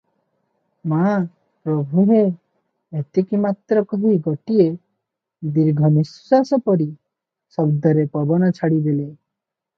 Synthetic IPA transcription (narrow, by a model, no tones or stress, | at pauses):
ma | pɾɔbʱuɦe | et̪ikimat̪ɾɔkɔɦiɡɔʈie | d̪iɾɡʱɔnisːasɔpɔɾi | sɔbd̪ɔɾepɔbɔnɔt͡ʃʰaɽid̪ele